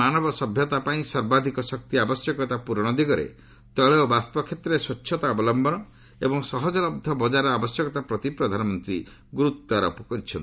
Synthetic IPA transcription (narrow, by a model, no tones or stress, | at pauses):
anɔbɔsɔbʱjɔt̪apaĩsɔɾbad̪ʱikɔsɔk̚t̪iabɔsjɔkɔt̪apuɾɔɽ̃ɔd̪iɡɔɾḛ | t̪ɔɭeobaspɔkʰːet̪ɾɔeswɔt͡ʃːt͡ʃʰːɔt̪aɔbɔlɔmbɔnɔ | ebɔŋsɔɦɔd͡ʒɔlɔbd̪ʱɔbɔd͡ʒaɾɔabɔsjɔkɔt̪apɾɔt̪ipɾɔd̪ʱanɔmɔnt̪ɾi | ɡuɾut̪ːaɾɔ̰pɔkɔɾit͡ʃʰɔnt̪i